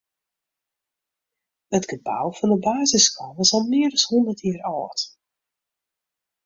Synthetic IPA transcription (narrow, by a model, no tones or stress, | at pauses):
ətɡ̥əba̰wfɔndəbaːzɪskʰɔʋɔsɔlˠmɪəɾəshundərtjiːɾɔːt